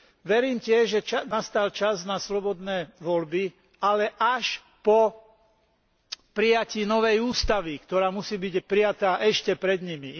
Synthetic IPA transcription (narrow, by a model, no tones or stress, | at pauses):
ʋɛɾiːmcɪɛʒʒɛnast̪alt͡ʃaznaslɔbɔd̪nɛːʋɔlbi | alɛʔaʃ | pɔ | pɾijaciːnɔʋɛjuːst̪aʋikt̪ɔɾaːmusiːbiɟpɾijat̪aːʔɛʃcɛpɾɛd̪ɲimi